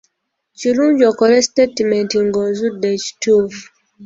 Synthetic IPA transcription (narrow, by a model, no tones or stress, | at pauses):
t͡ʃiɾũnd͡ʒɔkɔɾɛstetimɛ̃ntĩŋɡɔ̃nzudɛt͡ʃtuf